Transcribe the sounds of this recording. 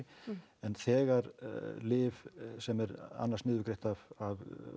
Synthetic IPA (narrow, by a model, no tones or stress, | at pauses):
ɛnθɛːɣaɾlɪːvsɛmɛɾa̰nːarsnɪːðvʏkɾejht̪avav